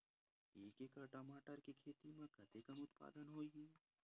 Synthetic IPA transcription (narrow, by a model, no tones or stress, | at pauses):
iːkekɐɾʈɐmaːʈəɾkikʰeːt̪imẽkɐt̪ekəmʊt̪pa̰ːd̪ənɦoːiɡiː